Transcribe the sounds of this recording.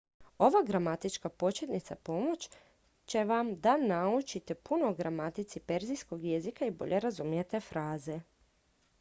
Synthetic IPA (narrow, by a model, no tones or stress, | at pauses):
o̞ʋaɡɾamat̪it͡ʃkapo̞t͡ʃet̪nit̪sapo̞mo̞t͡ɕ | t͡ɕe̞ʋamd̪anaut͡ʃit̪e̞punoːɡɾamat̪it̪sipe̞ɾzijsko̞ɡje̞zikaibo̞̰ʎʔe̞ɾazumje̞t̪e̞fɾaːze